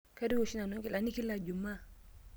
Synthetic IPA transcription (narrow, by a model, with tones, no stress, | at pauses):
ka˦di˦wo˨si˦na˨nõ˦ŋki˦la˨ni˦ki˦lːa˨d͡ʒu˨mːa˦˨